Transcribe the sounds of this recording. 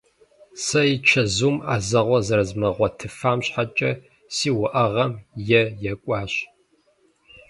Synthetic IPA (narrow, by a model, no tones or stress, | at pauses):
sɐjit͡ʃʰɐzuːmaːzɐʁʷɔzɐɾɐzmɐʁʷɔtʰɨfaːmɕħat͡ʃʼɐ | siːwʊʔɐʁɐmjɛjɛkʷʼɑːɕ